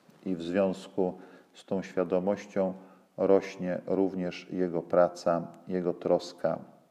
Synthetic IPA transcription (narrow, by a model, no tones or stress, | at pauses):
ivzvʲjɔ̃w̃skust̪ɔ̃w̃ɕfʲjad̪ɔmɔɕt͡ɕɔ̃w̃ | ɾɔɕɲɛɾuvɲɛʂjɛɡɔpɾat̪sajɛɡɔt̪ɾɔska̰